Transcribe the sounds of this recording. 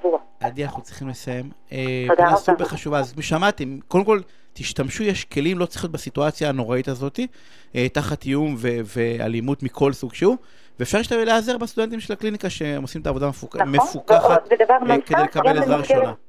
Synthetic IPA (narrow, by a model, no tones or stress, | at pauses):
vua | ad̪ianaχnut͡sʁiχimlesaje̞m | ed̪asbeχaʃuvazot̪miʃamat̪imkodemko̞l | t̪iʃt̪amʃujaʃke̞limlo̞t͡sliχot̪basituat͡sjaːno̞ʁait̪azo̞t̪i | ʔetaχat̪ijumvevea̰limut̪mikʰo̞lsuɡʃeu | veːfʃaʁiʃt̪aveleazeʁbest̪ude̞nt̪imʃelaklinikaʃeemosimet̪aːvo̞d̪amefumefukaχabed̪avaʁkdejlekabelezʁaʁiʃona